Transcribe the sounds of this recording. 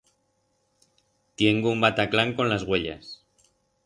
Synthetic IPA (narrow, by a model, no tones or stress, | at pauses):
t̪je̞ŋɡoumbat̪aklaŋko̞nlazɣwe̞ʎa̰s